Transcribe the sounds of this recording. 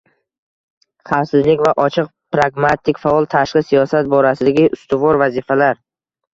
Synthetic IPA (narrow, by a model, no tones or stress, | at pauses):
χafsɪzlɪkʲvaʔɒt͡ʃʰɨqpɾaɡmat̪ʰːɪkʲfaɒlˠt̪ʰaʃqɨsijɒsat̪̚bɒɾasɪd̪aɡʲɪʔʊst̪ʊvɒɾvazɪfalaɾ